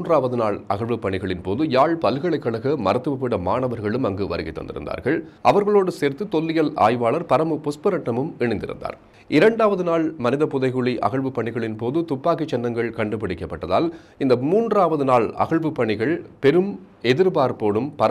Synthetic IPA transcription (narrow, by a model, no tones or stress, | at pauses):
ndraːʋɐðɯnaːɭɐ̰ɣɐɭʋɯpːɐɳɪɣɐɭɪnpoːðɯjaːɭpɐlɣɐɭɐɪkːɐɭɐɣɐmɐɾɐt̪ːɯʋɐpːɪɽɐmaːɳɐʋɐɾɣɐɭɯmɐŋɡɯʋɐɾɯɣɪt̪ːɐ̰nd̪ɪ̰ɾɯ̰nd̪a̰ːɾɣɐɭɐʋɐɾɣɐɭoːɽɯseːɾt̪ːɯt̪ɔlːɪjɐla̰ːjʋaːɭɐɾpɐɾɐmɯpʊspɐɾɐʈːɐmɯmɛɳɐɪnd̪ɪ̰ɾɯ̰nd̪a̰ːɾ | ɪɾɐɳɖaːʋɐðɯnaːɭmɐnɪðɐpːʊðɐɪɣɯɭiʔɐ̰ɣɐɭʋɯpːɐɳɪɣɐɭɪnpoːðɯt̪ʊpːaːkɪt͡ʃːɐndrɐŋɡɐɭkɐɳɖɯpːɐɽɪkːɐpːɐʈːɐða̰ːl | ɪnd̪ɐmuːndraːʋɐðɯnaːɭɐ̰ɣɐɭʋɯpːɐɳɪɣɐɭpɛɾɯm | ɛðɪɾbaːɾpoːɽɯmpɐɾ